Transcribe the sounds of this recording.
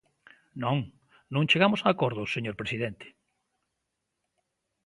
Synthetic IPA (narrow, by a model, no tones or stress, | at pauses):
nõŋ | nõŋt͡ʃeɣamʊsaːkoɾðʊseɲoɾpɾesiðent̪e̥